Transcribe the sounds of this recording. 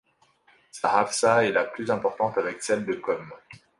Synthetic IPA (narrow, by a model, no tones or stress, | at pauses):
saʁafsaɛlaplyzɛ̃pɔʁt̪ɑ̃t̪avɛksɛld̪əkɔm